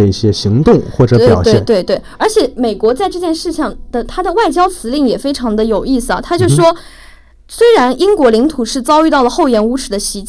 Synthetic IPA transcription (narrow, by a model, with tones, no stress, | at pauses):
ə˩i˥˩ɕjɛ˥ɕi˧˥ŋt̪ʊ˥˧ŋxwɔ˥˩ʈ͡ʂɤ˧˥pjɑ˧˨˩ʊt̪wɛ˥ɪ˥˩nt̪we˥˧ɪt̪we˥˩ɪə˞˧˥t͡ɕʰjɛ˨˩˥me˨˩ɪkwɔ˧˥t͡sa˥˧ɪʈ͡ʂɤ˥˧t͡ɕjɛ˥˧nʂɻ̩˥˧ɕʰjɑ˥˩ŋd̪̥ə˨t̪ʰa˥d̪ə˨wa˥˩ɪt͡ɕjɑ˥ʊt͡sʰɹ̩˧˥li˥˩ŋjɛ˨˩fe˥ɪʈ͡ʂʰɑ˧˥ŋd̪ə˧jo˨˩ʊi˥˩sɹ̩˩ɐ̰˩t̪ʰa˥t͡ɕjo˥˧ʊʂ̩˩ʂwɔ˥ | swe˥ɪɻa˧˥nʔi˥ŋkwɔ˧˥li˧˥ŋt̪ʰu˨˩ʂɻ̩˥˩t͡sɑ˥ʊy˥˧t̪ɑ˥˩ʊlə˩xo˥˩ʊjɛ˧˥nu˧˥ʈ͡ʂʰɻ̩˨˩d̪ə˦ɕi˧˥t͡ɕ